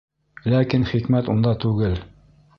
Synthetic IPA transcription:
lækinχikmæt̪und̪ɑt̪ʉɡɘl

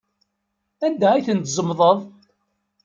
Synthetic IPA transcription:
ænd̪æijθənt̪zˤəmðˤəðˤ

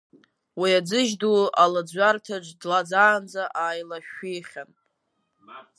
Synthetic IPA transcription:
wiad͡zɨʒdualad͡zʷartʰad͡ʒʷdlad͡zaːnd͡zaʔaːjlaʃᶣijχʲan

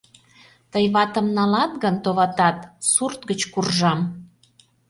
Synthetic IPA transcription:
t̪əjβɑt̪ə̆mnɑlɑt̪ɣənt̪oβɑt̪ɑt̪surt̪ɡət͡ɕkurʒɑm

